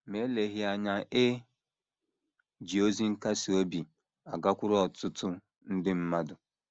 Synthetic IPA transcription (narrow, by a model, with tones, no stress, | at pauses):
me˦le˨ɦi˨a˨ɲa˨ʔe˦ | d͡ʒi˨o˦zi˦ŋ̩˦ka˦si˨o˦bi˨ | a˨ɡa˦kʷʊ˦ɾɔ˦ɔ˨tʊ˦tʊ˦ | n̩˦dɪ˦m̩˦ma˦dʊ˨